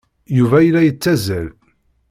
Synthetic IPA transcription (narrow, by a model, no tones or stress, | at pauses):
juvæjlæjət͡sːæzæl